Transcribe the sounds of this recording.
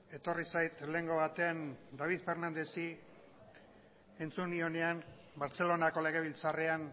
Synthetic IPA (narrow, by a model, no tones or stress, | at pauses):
e̞t̪o̞risajt̪le̞ŋɡo̞βat̪e̞and̪aβ̞iðfe̞ɾnand̪e̞si | e̞nt͡sunio̞ne̞an | baɾt͡se̞lo̞nako̞le̞ɣ̞e̞β̞ilt͡sarean